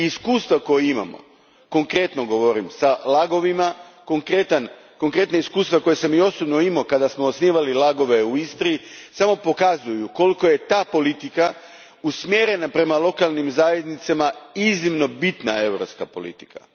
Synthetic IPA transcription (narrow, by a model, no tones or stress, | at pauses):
iskuːst̪vʋako̞jeima̰mo̰ | ko̞ŋkɾe̞t̪no̞ɡoʋo̞ɾimsalaɡo̞ʋimako̞ŋkɾet̪an | ko̞ŋkɾe̞t̪naiskuːst̪vʋako̞jesamio̞sobno̞imo̞kad̪asmo̞ːsniʋalilaɡo̞ʋe̞uist̪ɾiisamo̞po̞kazujuko̞liko̞je̞t̪aːpo̞lit̪ika | usmjeɾe̞napɾe̞malˠo̞kalˠnimzaːje̞d̪nit̪samaiznimno̞bit̪nae̞wɾopskapo̞̰lḭt̪i̥kʰa̰